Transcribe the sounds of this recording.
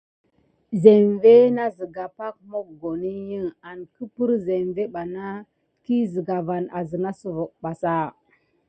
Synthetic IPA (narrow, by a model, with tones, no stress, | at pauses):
ze˨mve˦na˦zi˨ɡa˨pa˦k̚mo˦k̚ɡo˨ni˦ji˦ŋa˨nkə˦pu˦ɾze˨mve˦ɓa˨na˦ | ki˦zi˨ɡa˨va˨na˨zə˨na˦su˨vo˨k̚ɓa˨sa˦